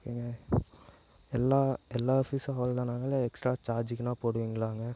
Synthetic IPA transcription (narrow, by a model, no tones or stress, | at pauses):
kiːŋɡɐ | ɛlːaːɛlːaːɔfisɦɔːld̪ãːnaːŋɡɐɪlːɐɛksʈɾaːt͡ʃaːɾd͡ʒɪkʲːɪnãːpoːɽɯʋiːŋɡɪɭaːŋɡɐ